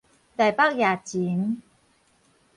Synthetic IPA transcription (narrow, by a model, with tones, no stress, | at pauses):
da˨˩jpaː˥˩k̚jaː˨˩t͡ɕi˨˦ŋ